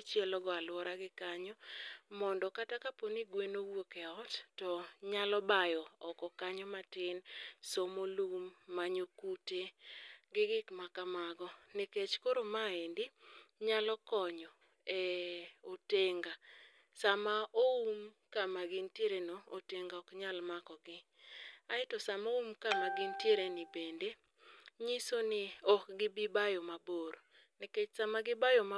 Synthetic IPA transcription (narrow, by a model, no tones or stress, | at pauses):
t͡ʃjɛlɔɡɔalwɔɾaɡɪkaɲɔmɔndɔkatakaponiɡwenowokeɔttɔɲalɔbajɔɔkɔkaɲɔmatɪnsomolumːaɲokuteɡɪɡɪkmakamaɡɔneket͡ʃkoɾomaendɪɲalɔkɔɲɔ | ɛoteŋɡa | samaʔoum | kamaɡɪntjeɾenooteŋɡaɔkɲalmakɔɡɪ | aɪtɔsamoumkamaɡɪntjeɾenɪbende | ɲisonɪɔkɡɪbibajomaboɾo | neket͡ʃsamaɡɪbajoma